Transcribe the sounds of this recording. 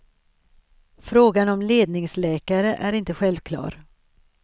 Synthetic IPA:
fɾoːɡanɔmleːd̪̚nɪŋslɛːkaɾəʔæɾɪnt̪əɧɛlvkʰlɑ̰ːɾ

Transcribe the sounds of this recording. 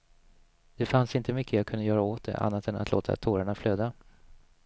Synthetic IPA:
d̪̥ɛfansɪnt̪əmʏkːəjakʰɵnd̪əjœːɾaoːt̪̚d̪ɛ̰ʔa̰nːat̪ɛnat̪lo̰ːt̪ʰa̰t̪ʰoːɾaɳafløːd̪a

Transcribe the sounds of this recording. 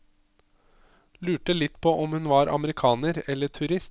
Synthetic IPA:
lʉːʈəlɪt̪ːpʰoʔɔmhʉnʋɑɾʔɑ̰məɾɪkʰɑːnəɾɛlːəʈʰʉɾɪst̪

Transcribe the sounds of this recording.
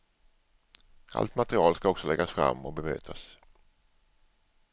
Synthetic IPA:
ʔa̰lt̪mat̪ɾɪɑːlskaɔksɔlɛɡːasfɾa̰mːɔk̚bɛmø̰ːt̪ʰas

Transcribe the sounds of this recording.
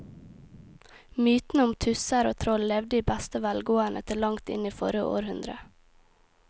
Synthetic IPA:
myːt̪n̩əʊmt̪ʰʉsəɾoːt̪ʰɾɔllɛʋd̪əiːbæst̪əʋælɡoːəɳʔət̪ʰɪɭɑŋt̪ɪ̰niːfɔɾəʔo̰ːɾhʉnd̪ɾə

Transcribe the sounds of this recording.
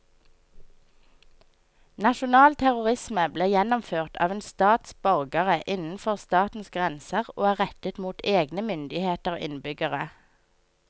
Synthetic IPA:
nɑʃʊnɑːlt̪ʰæʁʊʁɪsməbleːjɛnɔmføːʁt̪ʰɑ̰ːʋeːnst̪ɑːt̪sbɑʁɡəʁəʔɪnn̩fɔʁst̪ɑːt̪n̩sɡʁɛnsəʁo̰ːæːʁɛt̪ət̪muːt̪ʰeːɡnəmʏnd̪ɪheːt̪əʁɪ̰nbʏɡəʁə

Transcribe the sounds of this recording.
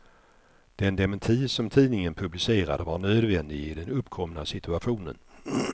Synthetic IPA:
d̪̥ɛnd̪ɛmənt̪ʰiːsɔmt̪ʰiːnɪŋənpʰɵblɪseːɾa̰d̪əvaɾɳøːd̪vɛnd̪ɪɡɪd̪ɛnɵpːkʰɔmnasɪt̪ɵaɧuːnə̰n

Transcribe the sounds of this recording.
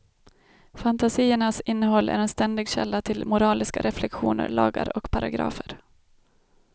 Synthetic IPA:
fant̪asiːəɳasɪnːəɦɔlːʔæ̰ɾɛnst̪ɛnd̪ɪɡɕɛlːat̪ʰɪlmʊɾɑːlɪskaɾʔɛflɛkɧuːnə̰ɾɭɑːɡa̰ɾɔkpʰaɾaɡɾɑ̰ːfəɾ

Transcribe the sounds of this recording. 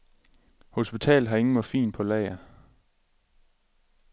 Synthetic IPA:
ho̝sb̥it͡sʰɛ̰ːlɦɑ̈e̝ŋn̩mɒfḭːnpʰɒ̽lɛ̰ɪɐ

